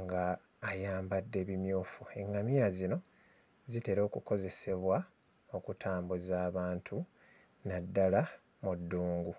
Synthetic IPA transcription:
ŋɡaː | jaːmbadːe̞βimjuːfue̞ŋɡamiɾazino̞ | zite̞ɾo̞ːkuko̞ze̞se̞βwa | o̞kutʰaːmbuzaːβaːntʰu | nadːala | mudːuːŋɡu

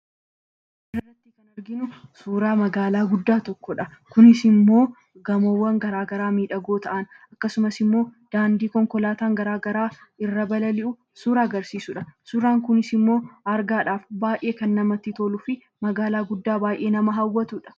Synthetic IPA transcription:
ʔɪrːɐt̪ːɪkɐnɐɾɡɪnʊsuːɾaːmɐɡaːlaːɡʊd̪ːaːt̪ɔkːɔᶑɐkʊnɪsɪmːo̞ː | ɡɐmowːɐŋɡɐɾaːɡɐɾaːmiːᶑɐɡo̞ːt̪ɐʔɐn | ɐkːɐsʊmɐsɪmːo̞ːd̪̥aːnd̪iːkɔŋkɔlaːt̪aːŋɡɐɾaːɡɐɾaːɪrːɐbɐlɐlɪʔʊ | suːɾaːɡɐɾsiːsʊᶑɐsuːɾaːŋkʊnɪsɪmːo̞ːɐɾɡaːᶑaːfbaːjʔe̞ːkɐnːɐmɐt̪ːɪt̪oːlʊfɪ | mɐɡaːlaːɡʊd̪ːaːbaːjʔe̞ːnɐmɐɦɐwːɐt̪uᶑɐ̥

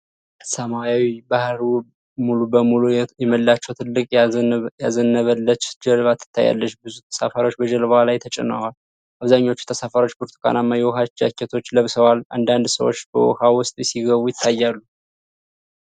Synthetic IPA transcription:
səmajawibahɾu | mulubəmulujɛməlːat͡ʃːɛwt̪ʰɨlːɨkʼjazənːəβəlːət͡ʃːd͡ʒɛlβat̪ʰːɨ̥t̪ʰːa̰jːa̰lːət͡ʃːbɨzut̪ʰə̥sa̰faɾo̞t͡ʃːbəd͡ʒəlβəhalajt̪ʰət͡ʃʼɛ̰na̰wal | ʔaβzaɲːo̞t͡ʃːut̪ʰəsafaɾo̞t͡ʃːboɾt̪ʰkʰa̰namːajɛwɔɦad͡ʒa̰kːɛt̪ʰo̞t͡ʃːləβsəwalʔa̰nd̪and̪səwo̰t͡ʃːbə̰wɔ̰hawʊst̪ʼjsiɡəβujɪt̪ʰːajːalːu

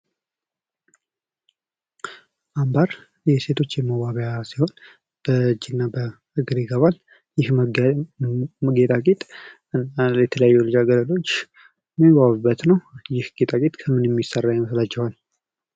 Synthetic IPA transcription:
ʔambaɾ | jɛse̞t̪ʰo̞t͡ʃːjɛməwaβjasiho̞n | b̥əɨd͡ʒinːabə | ɨɡɨɾiɡəβal | jɪh | məɡet̪ʼakʼet̪ʼ | ɨnːajɛt̪ʰələjajːulɨd͡ʒaɡələlo̞t͡ʃː | miwaβɨbːət̪nəwjɪhɡ̥et̪ʼakʼet̪ʼkʰəmɨnjɛmːisərːajməslat͡ʃːɛhal

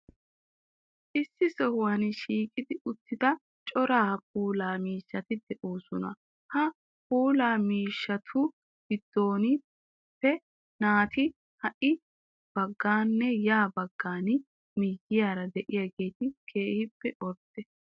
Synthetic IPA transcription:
ʔɪsːɪsɔhwɐnɪʃiːkʼɪd̪ɪʊt̪ːɪd̪ɐ | t͡ʃʼɔɾaːp̚ʼuːlaːmiːʃːɐt̪ɪd̪ɛʔoːsʊnɐ̰ | hɐ | puːlaːmiːʃːɐt̪ʰʊ | ɡ̥ɪd̪̥ːo̞ːnɪ | pːɛ | naːt̪ɪ | hɐʔɪ | b̥ɐɡːaːnːɛjaːbɐɡːaːn | miːɡɪjaːɾɐd̪ɛʔɪjaɡe̞ːt̪ɪkʰe̞ːhɪpːɛʔɔɾt̪ːɛ

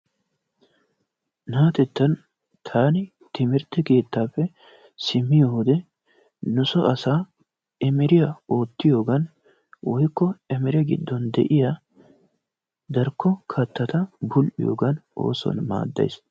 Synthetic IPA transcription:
naːt̪ɛt̪ːɐn | t̪ʰaːnɪ | t̪ɪmɪɾt̪ːɛke̞ːt̪ːaːpːɛ | sɪmːɪjohʊd̪ɛ | nʊsɔʔɐsaː | ɛmɛɾɪjao̞ːt̪ːɪjo̞ːɡɐn | wɔjkːɔɛmɛɾɛɡɪ̰d̪ːɔnd̪ɛ̰ʔɪja | d̪ɐɾkʰːɔkʰɐt̪ːɐt̪ɐbʊlʔɪ̰jo̰ːɡɐno̰ːsɔ̰nma̰ːd̪ːɐ̰js

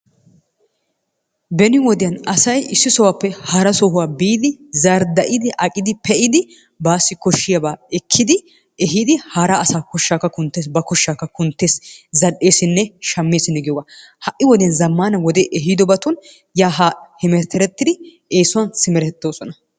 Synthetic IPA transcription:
bɛnɪwɔd̪ɪjɐnɐsɐjɪsːɪsɔwapːɛhɐɾɐsɔɦʊwaːbiːd̪ɪzaːɾd̪ɐʔɪd̪ɪʔɐkʼɪd̪ɪpɛʔɪd̪ɪ | baːsːɪkɔʃːɪjabaːɛkʰːɪd̪ɪ | ɛɦiːd̪ɪhaːɾɐːsaːkɔʃːaːkːɐkʊnt̪ːeːs̬bɐkɔʃːaːkːɐkʊnt̪ːeːszɐɗːe̞ːsɪnːɛʃɐmːe̞ːsɪnːɛɡɛwɐ | hɐʔːɪwɔd̪ɪjɐnzɐmːaːnɐwɔd̪ɛʔɛɦid̪ɔbɐt̪ʊn | jaːɦaːhɪmɛɾt̪ːɛɾɛt̪ːɪd̪ɪ | eːsʊwɐnsɪmɛɾɛt̪ːoːsɔnɐ

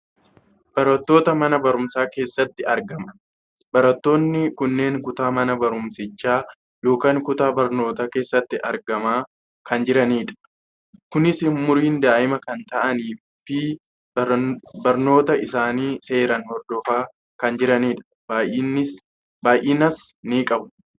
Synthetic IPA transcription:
b̥ɐɾɐt̪ːo̞ːt̪ɐmɐnɐbɐɾʊmsaːke̞ːsːɐt̪ːɪɐɾɡɐmɐ | bɐɾɐt̪ːo̞ːnːɪkʊnːe̞ːŋkʊt̪aːmɐnɐbɐɾʊmsɪt͡ʃːaː | jo̞ːkaːŋkʊt̪aːbɐɾno̞ːt̪aːke̞ːsːɐt̪ːɪʔɐɾɡɐmaː | kɐnd͡ʒɪɾɐniːᶑɐ̥ | kʊnɪsɪmʊɾiːnd̪aːʔɪmɐkɐnt̪ɐʔɐniː | fɪ | bɐɾno̞ːt̪ɐʔɪsaːniːse̞ːɾɐnhɔɾd̪ɔfaː | kɐnd͡ʒɪɾɐniːᶑɐ̥ | baːnɪs | baːjʔiːnɐsniːkʼɐbʊ

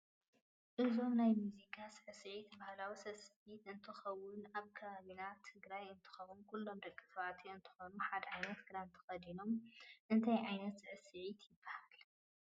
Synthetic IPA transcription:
ʔɨzo̞mnajmjuzikʰasɨʕɨsɨʕit̪ʰbahlawisɐsʕit̪ʔɨnt̪ʰɨxɐwʊnaβkʰɐβaβinat̪ʰɨɡɾajɨnt̪ʰɨ̥xɐwʊnkulːo̞md̪ɐkʼːi̥t̪ʰɐβat̪ʰiɨnt̪ʰɨ̥xonuħad̪ɐʕajnɐt̪ɡɨɾant̪ʰɨ̥xɐd̪ino̞mʔɨnt̪ʰajʕajnɐt̪sɨʕɨsɨʕit̪jɪbːahal

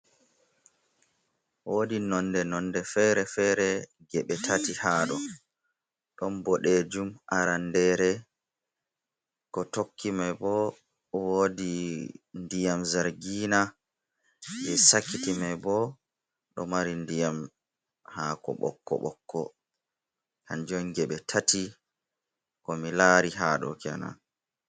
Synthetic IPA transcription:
woːdinɔndɛnɔndɛfɛɾɛfɛɾɛ | ɡɛɓɛtʰatihaːɗɔ | ɗɔnbɔɗɛd͡ʒumʔaɾandɛːɾɛ | kɔtokʰːimɛbɔ | wodindijamzaɾɡiːna | bɛsakːitimabɔ | ɗɔmaɾindijam | haːkɔ̰ɓɔ̰kːɔ̰ɓɔ̰kʰːɔ | kand͡ʒɔnɡɛɓɛtʰati | kɔmilaːɾiɦaːɗɔ̰kɛ̰na̰

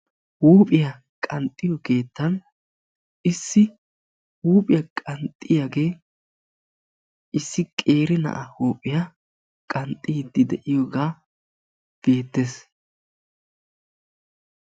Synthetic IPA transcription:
huːpʼɪjɐ | kʼɐnt̪ʼːɪjɔɡe̞ːt̪ːɐn | ʔɪsːɪ | huːpʼɪjɐkʼɐnt̪ʼːɪjaɡe̞ː | ʔɪsːɪkʼe̞ːɾɪnɐ̰ʔɐhuːpʼɪja | kʼɐnt̪ʼiːd̪ːɪd̪ɛʔɪjoːɡaː | b̥e̞ːt̪ːes

